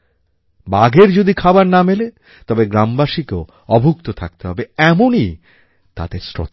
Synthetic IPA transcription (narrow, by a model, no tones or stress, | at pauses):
baɡeɾd͡ʑod̪ikʰabaɾnamele | t̪ɔbeɡɾambaʃikeo | ɔbʱukt̪ot̪ʰak̚t̪eɦɔbeɛmoni | t̪a̰d̪eɾsɾo̰t̪